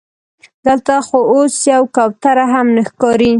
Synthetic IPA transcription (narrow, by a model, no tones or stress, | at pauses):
d̪əlt̪axoosjawkawt̪aɾaɦamnəxkɑɾi